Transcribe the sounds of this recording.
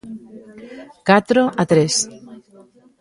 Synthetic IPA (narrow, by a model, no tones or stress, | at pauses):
kat̪ɾoʔat̪ɾes